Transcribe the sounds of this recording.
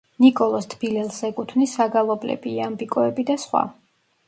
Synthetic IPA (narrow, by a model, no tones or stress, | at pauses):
nikʼɔlˠɔst̪ʰb̥ilɛlˠzɛkʼut̪ʰvnisaɡalˠɔblɛ̰biambikʼɔɛbid̪asχwa̰